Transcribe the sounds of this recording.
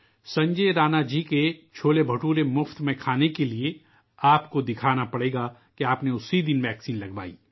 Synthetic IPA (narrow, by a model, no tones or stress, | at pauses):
sɐ̃ɲd͡ʒeːɾaːnad͡ʒiːket͡ʃʰoːlebʱɐʈuːɾemʊft̪mẽkʰaːnekelie | aːpkod̪ɪkʰaːnapɐɽeːɡa | kiaːpneʊsid̪ɪnʋɛːksiːnlɐɡba̰ːḭː